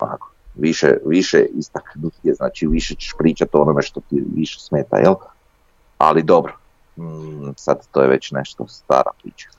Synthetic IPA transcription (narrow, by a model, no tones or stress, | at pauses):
a̰ko̥ʋiʃḛʋiʃḛist̪aknut̪jeznaːt͡ʃiʋiʃet͡ɕe̥ʃpɾiːt͡ʃat̪onomeʃt̪ot̪iʋiʃe̥smeːt̪a̰jʔel | a̰lid̪obɾo | sad̪t̪ːojeʋet͡ɕneʃt̪ost̪a̰ːɾa̰pɾḭːt͡ʃḁ